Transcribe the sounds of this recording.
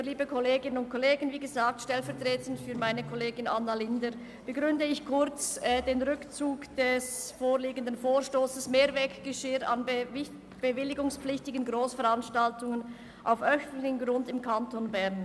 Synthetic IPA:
liːbəkʰɔleːɡɪnənʊnt̚kʰɔleːɡənviːɡəzaːk̚tʃtɛlfɛɐtʁ̥eːtn̩fyːɐmaɪnəkʰɔleːɡɪnʔanːalɪndə | b̥əɡʁʏndəɪçkʰʊʁt͡sɛːdeːnʁʏkt͡suːkd̥ɛsfoːʁliːɡən̩dənfoːʁʃtoːsəsmeːɐvɛːkɡ̥əʃeːa̰nbɪ | b̥əvɪlɪɡʊŋspp͡flɪçtɪɡənɡʁoːsfɛʁanʃtaltʊŋən | ʔa̰ʊfʔœçlɪçənɡʁʊndɪmkʰantonbɛʁn

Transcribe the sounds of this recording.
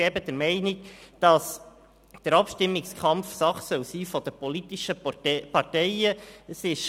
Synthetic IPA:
ɛbəd̪əɾmɛɪnɪk̚d̥ɑs | d̥əɾɑpʃtɪmːɪkskʰɑmfsɑχsœwsiːfɔd̥̪əpɔlit̪ɪʃəpɑɾtɛɪəəsɪʃ

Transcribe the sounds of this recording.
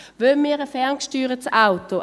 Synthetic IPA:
vømiːɾəfɛʁnkʃtyːʁət͡saʊt̪o

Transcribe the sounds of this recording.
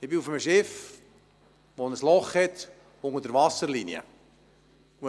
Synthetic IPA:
ɪbɪufəməʃɛf | ʋonəslɔχhɛt | ʊŋədəɾvɑsəɾliniə̰

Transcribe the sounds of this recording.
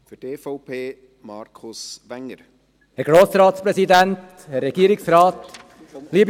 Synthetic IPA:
fədeːfɔʊpʰeː | mɑɾkʰʊsʋɛŋəɾ | hɛɾɡ̥ɾoːsɾɑːtspɾɛsidɛnt | hɛrːɛɡ̥iːɾɪksɾɑːt | liːb

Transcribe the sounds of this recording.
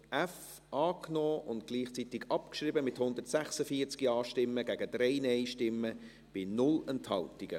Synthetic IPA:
ʔɛf | ɑːknoːʔʊntɡ̥liːχt͡sit̪ɪɡɑpkʃriːbəmɪthʊnd̪ərtsæχsəfiːəɾt͡skiɑːʃtɪmːəɡæɡəd̥ɾɛɪnɛɪʃtɪmːə | b̥ɪnʊlənthɑ̰ltɪɡ̥ə

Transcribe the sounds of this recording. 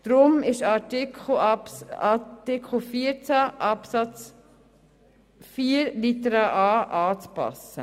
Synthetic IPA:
d̪̥ɾʊmɪʃɑtɪkʰl̩ɑtɪkʰl̩fiəɾt͡sæʔɑpsɑt͡s | fiːəɾlit̪əɾɑʔɑːʔɑːt͡spɑ̰sə̰

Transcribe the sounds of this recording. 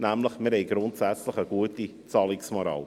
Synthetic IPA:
næmləχmɪɾhɛjɡɾʊntsæt͡sləχəɡ̥uəti | t͡sɑlɪksmɔɾɑ̰w

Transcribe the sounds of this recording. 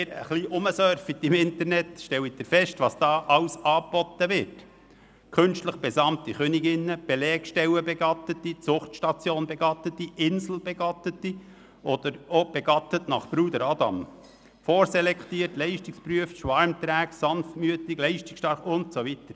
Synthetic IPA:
ɾə̰χliʔʊməsœɾfit̪ɪmɪnt̪əɾnɛt̪ʃtɛwid̥̪əɾfɛʃtʋɑːsd̥ɑːʔɑwsɑːpɔt̪ːəʋɪɾt | kʰɵnʃtləχb̥ɛsɑmt̪iχœniɡɪnːəb̥elɛːkʃtɛwəbɛɡɑt̪ət̪it͡sʊχtʃtɑt͡sjoːnbɛɡ̥ɑt̪ət̪ːiɪnsl̩b̥ɛɡ̥ɑtət̪ːi | ʔɔd̪̥əɾob̥ɛɡ̥ɑt̪ətnɑχpɾuːd̪əɾɑd̪ɑ̰m | foːɾsɛlɛkχt̪iːərtlɛɪʃtɪkspɾyəftʃʋɑɾmt̪ɾæːksɑnftmyətɪklɛɪʃtɪksʃtɑɾχʊnt̪soʋitəɾ

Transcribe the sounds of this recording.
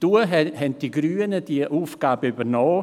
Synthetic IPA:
d̥uəɦɛnt̚d̥iːɡɾyːənəd̥iəʔuːfɡ̥aːbəybənɔː

